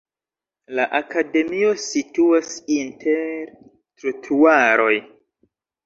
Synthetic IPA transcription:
laʔakade̞mio̞situasintʰeɾ | tɾutʰuaɾo̞j

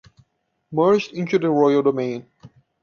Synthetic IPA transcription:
mɜ˞d͡ʒdɪ̃ntudəɹɔɪəlˠdomẽɪ̃n

